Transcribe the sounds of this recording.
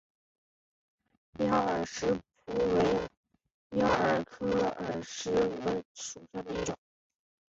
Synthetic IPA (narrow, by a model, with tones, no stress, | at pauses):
jɑ˥ə˞˨˩ʂɻ̩˧˥pʰu˥we˧˥ɪ | jɑ˥ə˞˨˩kʰɤ˥ə̰˨˩ʂɻ̩˧˥lə˧˥ʂu˨˩ɕja˥˩d̪ə˧˩i˥˩ʈ͡ʂʊ˨˩˦